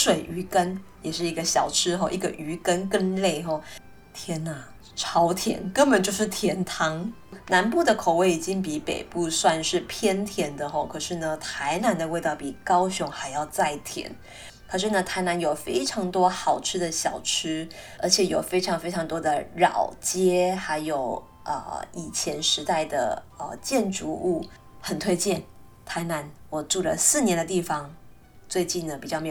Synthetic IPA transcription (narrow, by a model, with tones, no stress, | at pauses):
ʂwe˨˩ɪʔy˧˥kə˦˥njɛ˨˩ʂɻ̩˥˩i˧˥ɡə˧ɕjɑ˨˩ʊʈ͡ʂʰɻ̩˥xɔ˥˧ʔi˥˩ɡə˨ʔy˧˥kə˥nkə˥˧nle˥˧ɪxɔ˥˩ | t̪ʰjɛ˥na˨ | ʈ͡ʂʰɑ˧˥ʊt̪ʰjɛ̰˧˥˦nkə˥npə˨nt͡ɕjo˥˧ʊʂ̬ɻ̩˥˩t̪ʰjɛ˧˥nt̪ʰɑ˧˥ŋ | na˧˥npu˥˩d̪ə˩kʰo˨˩ʊwe˥˩ɪi˨˩t͡ɕi˦˥ŋpi˧˦pḛ˨˩ɪpu˥˧swa˥˧nʂɻ̩˥˩pʰjɛ˥nt̪ʰjɛ˧˥nd̪ə˨xɔ˥˩kʰɤ˨˩ʂɻ̩˥˩nə˩t̪ʰa˧˥ɪna˧˥nd̪ə˧we˥˧ɪt̪ɑ˥˩ʊpi˨˩kɑ˥ʊɕʊ˧˥ŋxa˧˥ɪjɑ˥˧ʊt͡sa˥˩ɪt̪ʰjɛ̰˧˥˦n | kʰɤ˨˩ʂɻ̩˥˩nə˩t̪ʰa˧˥ɪna˧˥njo˨˩ʊfe˥ɪʈ͡ʂʰɑ˧˥ŋt̪wɔ˥xɑ˨˩ʊʈ͡ʂʰɻ̩˥d̪ə˨ɕjɑ˨˩ʊʈ͡ʂ̩ʰ˥ | ə̰˞˧˥t͡ɕʰjɛ˨˩jo˨˩ʊfe˥ɪʈ͡ʂʰɑ˧˥ŋfe˥ɪʈ͡ʂʰɑ˧˥ŋt̪wɔ˥d̪ə˨ɻɑ̰˨˩ʊt͡ɕjɛ˥xa˧˥ɪjo˨˩ʊ | ʔə̰˧i˨˩t͡ɕʰjɛ˧˥nʂɻ̩˧˥t̪a˥˩ɪd̪ə̰˩ə̰˧t͡ɕjɛ˥˩nʈ͡ʂu˧˥u˥˩ | xə˨˩nt̪ʰwe˥˧ɪt͡ɕjɛ˥˩n | t̪ʰa˧˥ɪna˧˥nwɔ˨˩ʈ͡ʂu˥˩lə̰˩sɹ̩˥˩njɛ˧˥nd̪ə˧t̪i˥˩fɑ˩ŋ | t͡swe˥˧ɪt͡ɕi˥˩nd̪ə˩pi˨˩t͡ɕjɑ˥˩me˥